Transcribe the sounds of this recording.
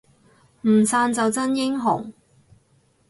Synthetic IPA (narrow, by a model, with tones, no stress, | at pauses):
m̩˨˩saː˧nt͡sɐ˨wt͡sɐ˥njɪ˥ŋɦʊ̰˨˩ŋ